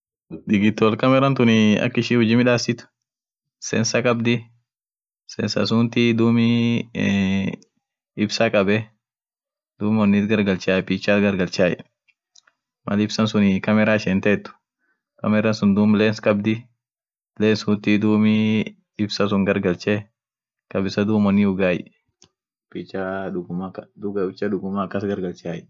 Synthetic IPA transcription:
d̪ɪɡɪt̪ːɔɔlkɐmɛɾɐnt̪ʊnɪɐ̰kːɪʃiːhʊd͡ʒɪmɪᶑaːsɪt̪ʊ̥ | sɛnsɐkʼɐbd̪ɪ | sɛnsɐ̰sʊnt̪id̪uːmɪ | ɪbsɐkʼɐbɛ | d̪uːmɔnːɪt̪ɡɐɾɡɐlt͡ʃaːjɛpiːt͡ʃːaːt̪ɡɐɾɡɐlt͡ʃaːjɛ̰ | mɐlɪbsɐnsʊnɪkɐmɛɾaːʃɛnt̪ɛt̪ːʊ̥ | kɐmɛɾɐnsʊnd̪uːmleːnskʼɐbd̪ɪ | leːnshʊnt̪id̪uːmi | ɪbsɐsʊŋɡɐɾɡɐlt͡ʃɛ | kʼɐbɪsɐd̪uːmɔnːɪʊɡaːj | pit͡ʃːaʊɡʊmaʊt͡ʃːɐdʊɡʊmakːɐsɡɐɾɡɐlt͡ʃaːjɛ

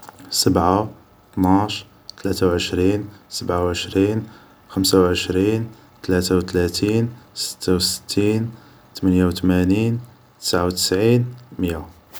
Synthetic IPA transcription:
səbʕa | t̪nɑʃ | t̪læt̪awʕəʃɾinsəbʕawʕəʃɾin | xəmsawʕəʃɾin | t̪læt̪awt̪læt̪insə̥t̪ʰːawsə̥t̪ʰːin | t̪mənjawt̪mænin | t̪ə̥sʕawt̪ə̥sʕinmja

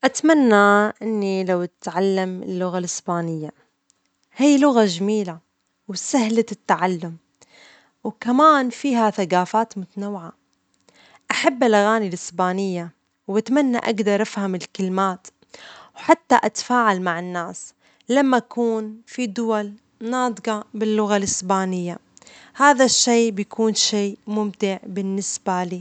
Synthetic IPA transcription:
ʔat̪manːaʔɪnːilawt̪ʕalːamɪ̰lːʊɣalɪsbaːnɪjːa | hiːlʊɣaʒamiːla | wsahlat̪ːaʕalːʊm | wkamaːnfiːɦaθaɡaːfaːt̪mʊt̪anawːʕa | ʔaħabːalʔaɣaːnilɪsbaːnɪjːa | wat̪manːa̰ʔaɡd̪ɑɾˤʔafhamɪlkɪlmaːt̪ | wħat̪ːaʔat̪ḁfaːʕalmaʕɪnːaːs | lamːaʔkuːnfid̪ʊwal | nɑːd̪ˤqɑbɪlːʊɣalʔɪsbaːnɪjːahaːðaʃːeːbjakʰuːnʃeːmʊmt̪ɪʕbɪnːɪsbaliː

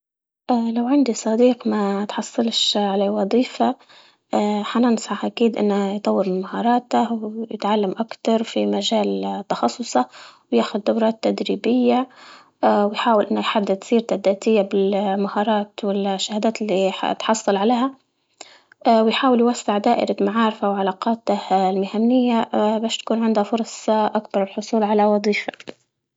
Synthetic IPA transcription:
ʔaːlawʕɪnd̪isˤɑd̪iːqmat̪ħɑsˤːɨlʃʕalawɑðˤiːfa | ʔaħanɪnsˤʕɑħʔakiːd̪ʔɪ̰nːajt̪ˤɑwːɪɾmɪmahɑːɾˤɑːt̪awjɪ̰t̪ʕalːamʔakt̪ɑɾˤfimaʒaːlt̪ːɑxɑsˤːʊsˤɑwjaːxʊd̪ːawɾˤɑːt̪ːad̪ɾiːbɪjːa | wɪjħaːwɪlʔɪnːajħad̪ːɪd̪tsiːɾt̪ad̪aːt̪ɪjːabɪlmahɑːɾˤɑːt̪wɪlʃːahad̪aːt̪ɪlːit̪ħɑsˤːɑlʕaleːha | wɪjħaːwɪljwasːɪʕd̪aːʔɪ̰ɾamaʕɑːɾɪfawʕalaːqɑːt̪ahlmɪhamːɪjːabaːʃt̪ḁkuːnʕɪnd̪hafʊɾˤsˤʔakbɑɾˤɪlħʊsˤuːlʕalawɑd̪ˤiːfḁ

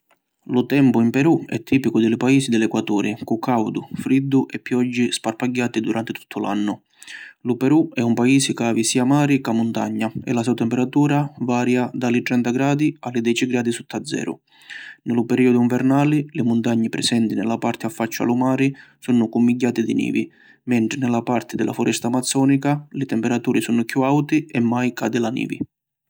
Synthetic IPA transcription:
lʊt̪ɛmpʊimpɛɾuɛ̰t̪ʰːiːpikʊd̪ɪlɪpaiːsid̪ɪlɛkwat̪uːɾɪkʊkʰːawd̪ʊfɾid̪ːʊʔɛpːjɔd͡ʒːisparpaɟːaːt̪id̪uɾant̪ɪt̪u̥t̪ʰːʊla̰nːʊ | lʊpɛɾuɛumpaiːsɪkaːvisiːamaːɾikamːʊnt̪a̰ɲːaɛ̰lasɛwt̪ɛmpɛɾat̪uːɾavaːɾjad̪alɪt̪ɾɛnt̪aɡɾaːd̪ialɪd̪ɛt͡ʃiɡɾaːd̪isut̪ːad̪zːɛ̰ːɾʊ̰ | nɪlʊpɛɾiːɔd̪ʊiɱvɛrnaːlilɪmʊnt̪aɲːipɾɛ̰sɛnt̪inɪlːapart̪ɪafːat͡ʃːa̰lumaːɾisunʊkumːiɟːaːt̪id̪inḭːvi | mɛɳʈ̪ɾɪnɪlapart̪ɪd̪ɪlʔa̰fʊɾʔɛst̪amat̪sːɔːnikalɪt̪ɛmpɛɾat̪uːɾisunʊkjuawt̪iɛmːajkaːd̪ɪlanḭːvḭ

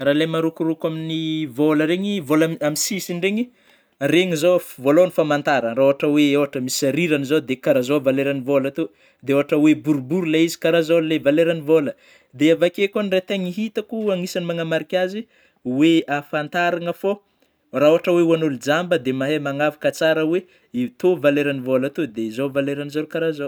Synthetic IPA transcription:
raːlemaɾukuɾukaminivoləɾeɲivolaamisisiɳɖ͡ʐeɲi | reŋizofvolonifamant̪aɾənraoaʈ͡ʂəweewaʈ͡ʂəmisaɾiɾanizod̪ekaɾazovaleɾanivolat̪o | d̪eewaʈ͡ʂəwebuɾbuɾlaizi̥kaɾazollevaleɾanivolə | d̪eavakekonirat̪eŋiɦit̪əkuaŋisanimaŋamaɾikʲazi | weafant̪aɾaŋəfo | raoaʈ͡ʂəweuanulid͡zambəd̪emaɦemaŋavḁkət͡saɾəwe | iut̪ovaleɾanivolat̪od̪ezovaleɾanizolukaɾazow

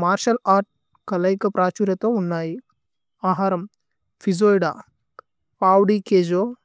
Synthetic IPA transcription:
maːɾʃɐlaːɾʈ̚ | kɐlɐjkɐpɾaːt͡ʃuɾɐt̪ounːaːji | aːɦaːɾɐm | fʰizoːjɖa̰ː | paːwɖikeːd͡ʒo

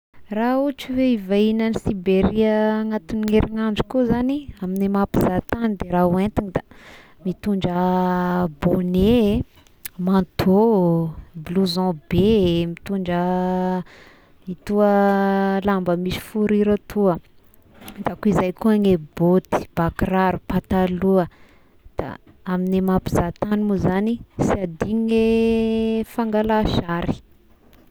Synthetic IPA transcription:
raut͡ʃiveivainənisibeɾiəŋat̪uniŋeɾiŋand͡ʒikuzaniaminemapizat̪anid̪eɾaɦuẽnt̪inid̪a | mit̪uɳɖ͡ʐə | bone | mãt̪ʰo | bluzɔ̃bemit̪uɳd͡ʒə | it̪uəlambəmisi̥fuɾiɾat̪uə | d̪akuizajkuaŋebot̪i̥b̥akraɾupat̪aluə | d̪̥a̰ | aminemapizat̪animuzanisiad̪iɲŋe | faŋɡalaʃaɾi̥

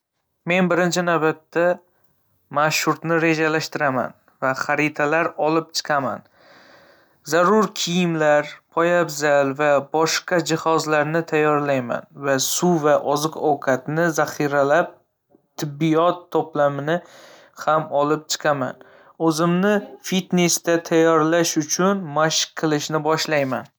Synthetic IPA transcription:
me̞nbɪɾɪnt͡ʃʰɪnawbat̪ːa | maʃhʊɾt̪nɪɾe̞d͡ʒalaʃt̪ɪɾama̰n | vaχaɾɪt̪ʰalaɾɒlɪp̚t͡ʃʰɨ̥qʰɑma̰n | zaɾʊɾkʲʰijɪmlaɾpʰɒjabzalvabɒʃqɑd͡ʒɪhɒzlaɾnɪt̪ʰajːɒɾlajma̰nvasʊvaʔɒzɨqɒwqʰɑt̪nɪzaχiɾalap̚ | t̪ʰɪbːijɒt̪ʰːɒplamɪnɪ | hamɒlɪp̚t͡ʃʰɨ̥qʰama̰n | ɵzɪmnɪfit̪nest̪at̪ʰajɒɾlaʃʊt͡ʃʰʊnmaʃqqʰːɨlˠɪʃnɪbɒʃlajman

